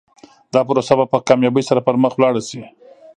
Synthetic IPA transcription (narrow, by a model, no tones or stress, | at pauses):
d̪̥ɑpʊɾosabapəkɑmjɑbəjsaɾapəɾməxwlɑɽasi